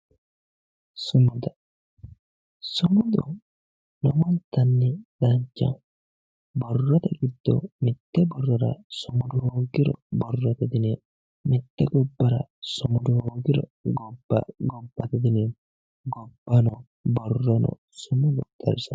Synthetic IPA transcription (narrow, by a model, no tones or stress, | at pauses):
sʊmʊd̪ɐ | sʊmʊd̪ɔ | nɔmɔnt̪ɐnːɛᶑɐɲt͡ʃːɐ̰ | bɔrːɔt̪ɐɡɪd̪ːɔ̰mɪt̪ːɛbɔrːɔɾɐ̰sʊmʊd̪ʊhoːɡɪɾɔ̰bɔrːɔt̪ɐd̪ɪneːn | mɪt̪ːɛɡɔbːɐɾɐ̰sʊmʊd̪ʊhoːɡɪɾɔ̰ɡɔbɐ̰ɡɔbːɐt̪ɐd̪ɪneːn | ɡɔbːɐnɔ | bɔrːɔnɔ̰ | sʊmʊd̪ɔd̪ɐ̰ɾɪsɐ